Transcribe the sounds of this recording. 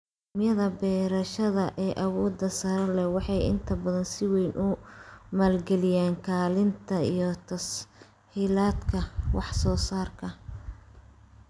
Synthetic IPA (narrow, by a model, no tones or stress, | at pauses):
mɪjɐðɐbɛːɾɐʃɐðɐʔɛːʔɐwɔːd̪ːɐsɐɾɐlɛwɑħɑjɪ̰nt̪ʰɐbɐðɐnsɪwɛjnʔʊmaːlɡɛlɪjaːŋkʰaːlɪnt̪ʰɐijɞt̪ʰɐs | hiːlaːd̪kʰɐwɑħsɔːsaːrkʰɐ